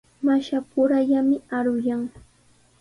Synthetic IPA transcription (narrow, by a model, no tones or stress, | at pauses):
maʃapʊɾaʎamɪaɾʊjaŋ